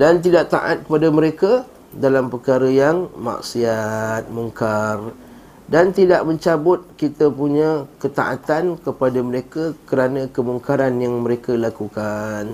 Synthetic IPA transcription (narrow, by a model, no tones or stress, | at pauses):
dant̪̬idaʔt̪a̰ʔa̰t̪̚kəpadaməɾeka | dalampərkaɾəjaŋma̰ʔsiat̪̚muŋkar | dant̪idaʔməɲt͡ʃabʊt̪̚kit̪əpuɲãkət̪a̰ʔat̪ankəpadaməɾekakəɾanãkəmuŋkaɾanjaŋməɾekalakukan